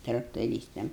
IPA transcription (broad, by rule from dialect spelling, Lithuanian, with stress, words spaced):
trɐktoːˈrʲiːstɐm